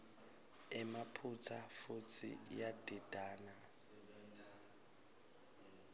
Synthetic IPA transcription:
ɛmapʰut͡sʰafut͡sʰḭjadʱid̥ʱaːnas

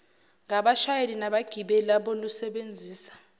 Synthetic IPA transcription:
ŋaɓaʃajelinaɓaɡ̥ʱiɓɛlaɓɔlusɛɓend͡zʱiːsḁ

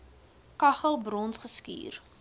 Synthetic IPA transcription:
kɐχəlˠbrɔnsχəskḭːr

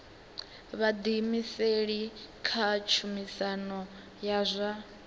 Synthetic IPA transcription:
βad̪imiseɺikʰat͡ʃʰumisanɔ | jazʷa

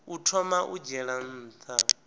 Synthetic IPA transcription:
utʰɔmaʔud͡ʒɛɺan̩ːt̪ʰa

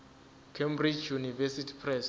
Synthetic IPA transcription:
kʰembrid͡ʒjunivɛsitʰi̥pʰrɛs

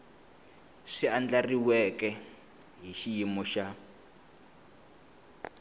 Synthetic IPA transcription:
siand͡ɮariwɛkɛ | ɦiʃijimuʃa

